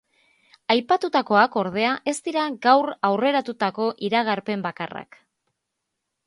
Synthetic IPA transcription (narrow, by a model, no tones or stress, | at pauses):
ajpat̪ut̪ako̞ako̞ɾð̞e̞aʔe̞st̪iɾaɡawrawre̞ɾat̪ut̪ako̞ʔiɾaɣ̞aɾpe̞mbakara̰k